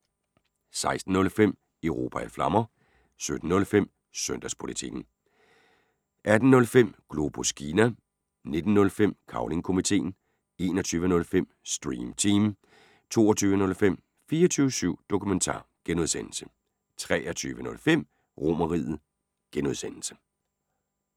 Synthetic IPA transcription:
sɑ̈ɪsd̥n̩ːɔ̽lfem̰ | eʊʁo̝̰ːpʰææflɑ̈mɐ | sød̥n̩ːɔ̽lfem̰ | sœn̰d̥æspʰo̝lit͡sʰiɡ̥n̩ | ʔæd̥n̩nɔ̽lfem̰ɡ̥lo̝b̥oskʰiːnæ | ne̝d̥n̩ːɔ̽lfem̰kʰɑ̈ʊle̝ŋkʰo̝mit͡sʰe̝̰ːn | e̝ːnɒt͡sʰyːʋənɔ̽lfem̰sd̥ʁiːmt͡sʰiːm | t͡sʰo̝̰ːɐt͡sʰyːʋənɔ̽lfem̰ | fiːɐt͡sʰyːʊəsyʊ̰d̥o̝kʰument͡sʰɑ̰̈ːɡ̥enuðˠsen̰l̩sə̥ | t͡sʰʁɛɐt͡sʰyːʋənɔ̽lfem̰ | ʁo̝mɐʁiðð̩ˠ | ɡ̥enuðˠsen̰l̩sə̥

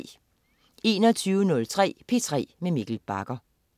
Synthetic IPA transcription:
e̝ːnɒ̽t͡sʰyːʊənɔ̽lt͡sʰʁɛ̰ːpʰe̝t͡sʰʁɛ̰ːmemiɡ̥l̩b̥ɑ̈ɡ̥ɐ

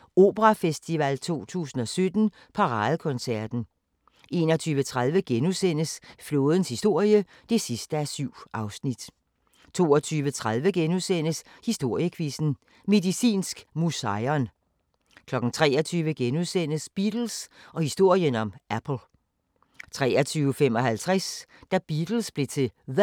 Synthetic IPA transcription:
o̝̰ːb̥əʁɑfesd̥iʋælt͡sʰo̝̰ːt͡sʰṵːsn̩ɒ̽sød̥n̩ | pʰɑ̈ʁɑ̈ːðˠəkʰɔ̽nsæɐd̥n̩ | e̝nɒ̽t͡sʰyːʋət͡sʰʁað̞ˠʋəɡ̥enusen̰əsflo̝ːð̞ˠn̩shisd̥o̝ɐ̰jə | d̥e̝sisd̥əæsyʊ̰ʔɑ̈ʊsnid̥ | t͡sʰo̝̰ːɒt͡sʰyːʋət͡sʰʁað̞ˠʋəɡ̥enuðˠsen̰əs | hisd̥o̝ɐ̰jəkʰʋisn̩ | me̝ðˠisḭːnsɡ̥musɑɪɒn | kʰlɒ̽ɡ̥n̩t͡sʰʁɛ̰ːɒt͡sʰyːʋəɡ̥enuðˠsen̰əsb̥id̥l̩sɒ̽hisd̥o̝ɐ̰jənɒ̽mʔæpʰl̩ˠ | t͡sʰʁɛ̰ːɒt͡sʰyːʊəfem̰ɒ̽hælt͡sʰʁasd̥æb̥id̥l̩sb̥le̝t͡sʰe̝ð

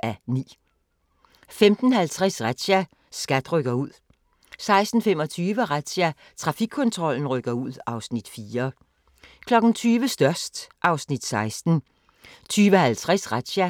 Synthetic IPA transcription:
ʔænḭː | femd̥n̩hælt͡sʰʁɛsʁḁɕæ | sɡ̥æd̥ʁœɡ̥ɐuð̰ˠ | sɑ̈ɪsd̥n̩femɒ̽t͡sʰyːʋəʁad̥ɕæ | t͡sʰʁɑ̈fiɡ̥̚kʰːɔ̽nt͡sʰʁɒ̽l̰n̩ʁœɡ̥ɐuð̞̰ˠɑ̈ʊsnid̥fiːɐ | kʰlɒ̽ɡ̥n̩t͡sʰyːʋəsd̥ɶɐsd̥ʔɑ̈ʊsnid̥sɑ̈ɪsd̥n̩ | t͡sʰyːʋəhælt͡sʰʁɛsʁad̥ɕæ

